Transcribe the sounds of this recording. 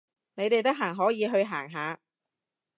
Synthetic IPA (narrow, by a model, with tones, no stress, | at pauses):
ne˨˧jt̪e˨jt̪̬ɐ˥ɦaː˨˩ŋɦɔː˨˥jiː˨˧ɦɵ˧ɥɦaː˨˩ŋɦaː˨˧